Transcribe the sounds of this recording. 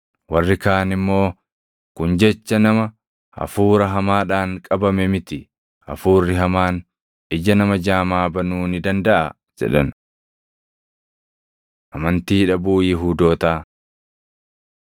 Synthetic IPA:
wɐrːɪkaːnɪmːo̞ː | kʊnd͡ʒɛt͡ʃːɐnɐmɐ | ʔɐ̰fuːɾɐɦɐmaːᶑaːŋkʼɐbɐmɛmɪt̪ɪ | ʔɐ̰fuːrːɪɦɐmaːn | ʔɪd͡ʒɐnɐmɐd͡ʒaːmaːbɐnuːnɪd̪ɐnd̪ɐʔɐ | d͡ʒɛ̰ᶑɐn | ʔɐmɐnt̪iːᶑɐbuːjɪɦuːd̪o̞ːt̪aː

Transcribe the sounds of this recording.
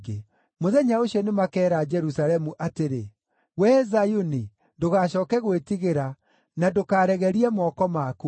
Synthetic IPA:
ɡe | moðɛɲaoɕɔnemakɛːɾad͡ʒɛɾusalɛmuʔateɾe | wɛzajuni | doɣaɕɔːkɛɣwetiɣeɾa | nadokaːɾɛɣɛɾiɛmɔkɔmaku

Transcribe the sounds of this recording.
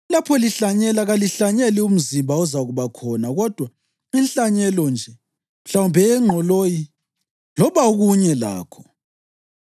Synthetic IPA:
lapʰɔliɬaɲɛlaɣaliɬaɲɛlium̩zimbʱaɔzaɣuβakʰɔnaɣɔd̥ʱwa | inɬaɲɛlɔnd͡ʒʱɛ | m̩ɬawumbʱɛːŋ͡ǁʱɔloji | lɔβauɣuɲɛla̰ːkʰɔ̥

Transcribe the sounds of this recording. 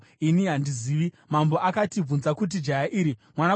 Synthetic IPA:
inijandiziːʋi | mambo̞ʔakatib͡vunzakut̬id͡ʒajaʔiːɾimwana

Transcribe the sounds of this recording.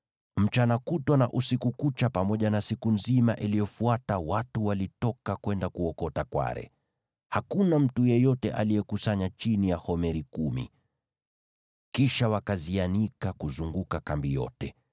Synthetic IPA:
m̩t͡ʃanakutwana̰ʔusikukut͡ʃapamɔʄanasikunzimaʔilijɔfuatawatuwalitɔkakwɛndakuɔkɔtakwa̰ɾɛ̰ | hakunam̩tujɛjɔtɛʔa̰lijɛkusaɲat͡ʃinijahɔmɛɾikumḭ | kiʃawakazianikakuzuŋɡukakambijɔ̰tɛ

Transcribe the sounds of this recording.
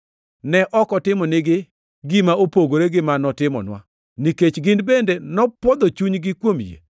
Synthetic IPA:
nɛʔɔkɔtɪmɔnɪɡɪ | ɡɪmaopoɡoɾeɡɪmanɔtɪmɔ̰nwa̰ | niket͡ʃɡɪndbendenɔpɔd̪ot͡ʃuɲɡɪkwomjḛ

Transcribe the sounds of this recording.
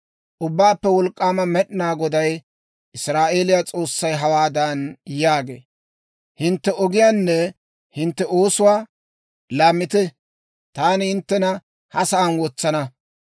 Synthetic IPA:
ʔʊbːaːpːɛwɔlkʼːaːmɐmɛɗɪnaːɡɔd̪ɐj | ʔɪsɾaːʔe̞ːlɪjat͡sʼo̞ːsːɐjɦɐwaːd̪ɐnjaːɡḛː | hɪnt̪ːɛʔɔɡɪjaːnːɛ | hɪnt̪ːɛoːsʊwaː | laːmːɪt̪ɛ | t̪aːnɪhɪnt̪ːɛnɐ | hɐsɐːnwɔt͡sːɐnɐ

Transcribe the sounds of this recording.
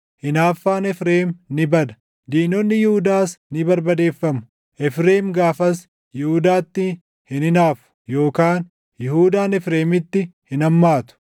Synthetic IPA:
hɪnaːfːaːnɛfɾeːmnɪbɐd̪ɐ̥ | d̪iːnɔnːɪjɪhʊd̪aːsnɪbɐɾbɐd̪e̞ːfːɐmʊ | ʔɛfɾeːmɡaːfɐs | jɪhʊd̪aːt̪ːɪ | hɪnɪnaːfʊ̥jo̞ːkaːn | jɪhuːd̪aːnɛfɾe̞ːmɪt̪ːɪhɪnɐmːaːt̪ʊ̥

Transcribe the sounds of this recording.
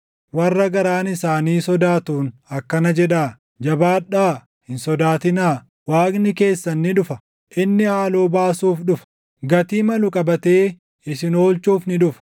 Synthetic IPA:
wɐrːɐɡɐɾaːnɪsaːniːsɔd̪aːt̪uːnɐkːɐnɐd͡ʒɛᶑaː | d͡ʒɐbaːᶑaː | hɪnsɔd̪aːt̪ɪnaː | waːknɪke̞ːsːɐnːɪᶑʊfɐ | ʔɪnːɪhaːlo̞ːbaːsuːfᶑʊfɐ̥ | ɡɐt̪iːmɐlʊkʼɐbɐt̪e̞ː | ɪsɪno̞ːlt͡ʃuːfnɪᶑʊfɐ̥

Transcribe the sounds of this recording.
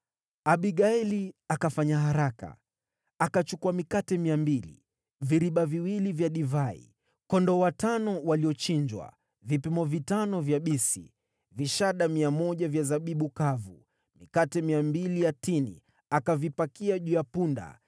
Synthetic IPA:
aɓiɠaɛliakafaɲaɦaɾaka̰ | akat͡ʃukuamikatɛmiambilḭ | viɾiɓaviwilivjaɗivaḭ | kɔndɔwatanɔwaliɔt͡ʃiɲd͡ʒwa̰ | vipimɔvitanɔvjaɓisḭ | viʃaɗamiamɔʄavjazaɓiɓukavṵ | mikatɛmiambilijatinḭ | akavipakiaʄuːjapunda̰

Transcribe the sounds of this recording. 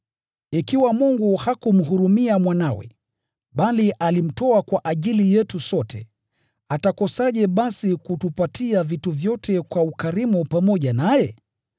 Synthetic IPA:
ikiwamuŋɡuhakum̩ɦuɾumiamwanawɛ̰ | ɓaliʔalim̩tɔakwaʔaʄilijɛtusɔtɛ | atakɔsaʄɛɓasikutupatiavituvjɔtɛkwaukaɾimupamɔʄanajɛ

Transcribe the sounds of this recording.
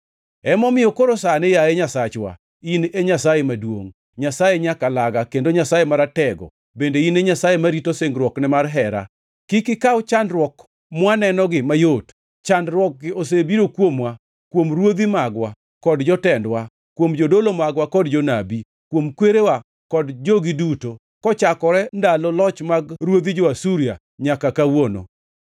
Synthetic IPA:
ɛmɔmɪjɔkoɾosanɛjaɛɲasat͡ʃwa̰ | ineɲasajemadwo̰ŋ | ɲasajeɲakalaɡakendoɲasajemaɾatɛɡɔ̰ | bendeineɲasajemaɾitoseŋɡɾwɔknɛmarɦɛɾa̰ | kikɪkawt͡ʃandɾwɔk | mwanɛnɔɡɪmajot | t͡ʃandɾwɔk̚ɡɪos̬ebiɾokwomwa | kwomɾwod̪imaɡwa | kɔdd͡ʒɔtɛndwa | kwomd͡ʒodolomaɡwakɔdd͡ʒonabi | kwomkweɾewa | kɔdd͡ʒoɡiduto | kɔt͡ʃakɔɾɛndalɔlɔt͡ʃmaɡɾwod̪id͡ʒɔasuɾja̰ | ɲakakawono̰

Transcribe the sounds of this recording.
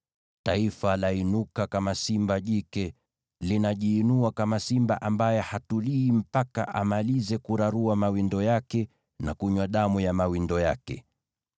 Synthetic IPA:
taifalainukakamasimbaʄikɛ | linaʄiːnuakamasimba̰ʔambajɛhatuliːm̩paka̰ʔamalizɛkuɾaɾuamawindɔjakɛ | nakuɲwaɗamujamawindɔjakɛ̰

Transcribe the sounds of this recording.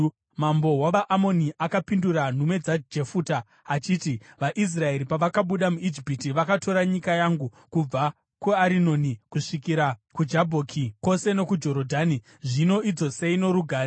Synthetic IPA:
mambo̞waʋaʔamo̞niʔakapinduɾan̤umwe̞d͡zad͡ʒe̞fuːta | at͡ʃiːtiʋaʔis̬rae̞ɾipaʋakaɓuɗamuid͡ʒipitiʋakato̞ɾaɲikajaŋɡu | kub͡va | kuaɾino̞nikuʂikiɾakud͡ʒabʱokʰiko̞se̞no̞kud͡ʒo̞ɾo̞dʱaːni | ʐino̞id͡zo̞se̞inoɾuɡʱaːɾe

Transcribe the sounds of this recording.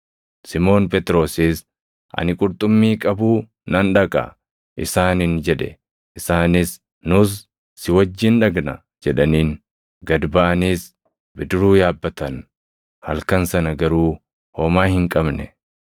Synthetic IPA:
sɪmo̞ːnpʼɛt̪ɾo̞ːsiːs | ʔɐ̰nɪkʼʊɾt̪ʼʊmːiːkʼɐbuː | nɐnᶑɐkʼɐ̰ | ʔɪsaːnɪnd͡ʒɛᶑɛ̰ | ʔɪsaːnɪs | nʊs̬ | sɪwɐd͡ʒːɪnᶑɐɡnɐ | d͡ʒɛᶑɐniːn | ɡɐd̪bɐʔɐniːs | bɪd̪ɪɾuːjaːbːɐt̪ɐn | hɐlkɐnsɐnɐɡɐɾuː | hoːmaːhɪŋkʼɐbnɛ

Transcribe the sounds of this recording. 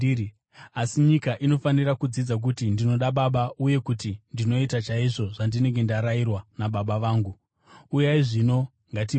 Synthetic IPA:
asiɲikaʔino̞fanirakud͡zid͡zak̬utindino̞ɗaɓaɓauje̞kutindino̞itat͡ʃaiʐo̞ʐandine̞ŋɡe̞ndaɾairwanaɓaɓaʋaːŋɡu | ujaiʐino̞ | ŋɡat̬i

